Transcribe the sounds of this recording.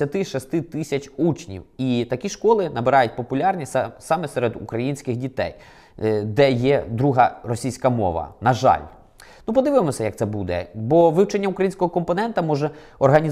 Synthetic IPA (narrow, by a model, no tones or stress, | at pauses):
ɐt̪ɪʃɔst̪ɪt̪ɪsʲɐt͡ʃʲut͡ʃnʲḭwit̪ɐkʲiʃkɔlˠɪnɐbeɾɑjʊt̚ʲpɔpʊlʲɑrnʲisɑmɛseɾed̪ṵkɾɐjinʲsʲkɪxdʲit̪ɛ̰j | d̪ɛjɛd̪ɾuɦɐrɔsʲijsʲkɐmɔ̰ʋɐ̰nɐʒɑ̰lʲ | nupɔd̪ɪʋɪmɔsʲɐjɐk̚t̪sɛbud̪ɛ̰bɔʋɪwt͡ʃenʲːɐukɾɐjinsʲkɔɦɔkɔmpɔnɛnt̪ɐmɔʒɛ | ɔrɦɐnʲi